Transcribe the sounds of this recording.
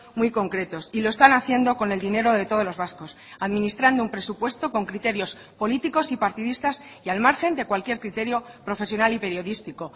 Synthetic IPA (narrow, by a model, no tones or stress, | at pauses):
mujko̞ŋkɾe̞t̪o̞siloe̞st̪anaθjend̪o̞ko̞ne̞ld̪ine̞ɾo̞ðe̞t̪o̞ð̞o̞lo̞zβasko̞s | aðmĩnist̪ɾand̪oumpɾe̞supwe̞st̪o̞ko̞ŋkɾit̪e̞ɾjo̞s | po̞lit̪iko̞sipaɾt̪iðist̪asialmaɾxẽ̞nd̪e̞kwalkje̞ɾkɾit̪e̞ɾjo̞pɾo̞fe̞sjo̞nalipe̞ɾjo̞ðist̪iko̞